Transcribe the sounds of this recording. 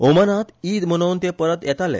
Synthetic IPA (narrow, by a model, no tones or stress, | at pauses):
omənat̪iːd̪mənownt̪epəɾət̪jɛt̪alḛ